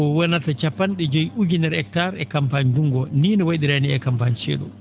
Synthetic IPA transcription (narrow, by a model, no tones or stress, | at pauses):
ɔwanatat͡ʃapːanɗɛd͡ʒɔjud͡ʒinɛɾɛk̚tːaɾɛkampand͡ʒuŋɡɔniːnɔwajɗiɾaniɛkampant͡ʃɛ̰ːɗɔ̰